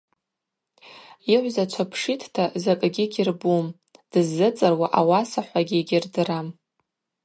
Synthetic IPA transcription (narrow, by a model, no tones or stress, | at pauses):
iʕʷzat͡ʃʷʰapʰʂitʰtʰazakʼɡʲɪɡʲɪrbum | d̥ɨzːɨt͡sʼɨrwaʔawasaħʷaɡʲiɡʲɪrdɨram